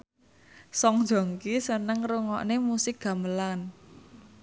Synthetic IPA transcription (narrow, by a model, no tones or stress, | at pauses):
sɔŋ̥d͡ʒ̥o̤ŋkisənəŋruŋɔ̰ʔnemusɪk̚ɡ̥a̤məlan